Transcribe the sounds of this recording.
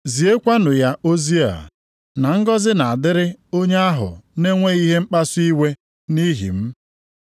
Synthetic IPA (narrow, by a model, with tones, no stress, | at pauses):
zi˨e˦kʷa˦nʊ˨ja˦ʔo˦zi˦a̰˨ | na˨ŋ̩˦ɡɔ˦zɪ˦na˨a˨dɪ˦ɾɪ˦o˦ɲe˦a˦ɦʊ̰˨ne˦ŋʷe˦i˦ɦe˦ŋ͡m̩˦k͡pa˦si˦we˦ | ni˦ɦḭ˨m̩˦